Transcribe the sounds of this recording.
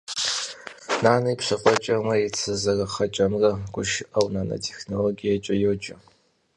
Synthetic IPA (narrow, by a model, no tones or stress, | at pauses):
naːnɨjpɕɨqʷʼɔt͡ʃʼɐmɐjɛt͡sʰɨzɐrɐχɐt͡ʃʼɐmrɐɡʷʊʃɪʔɐwnaːnɐ̰tʰe̥xnoloɡijɐt͡ʃʼɐjoːt͡ʃʼɐ